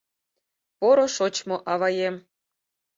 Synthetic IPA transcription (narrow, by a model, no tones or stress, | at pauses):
poɾɤ̆ʂot͡ɕmɤ̆ʔɑʋɑjem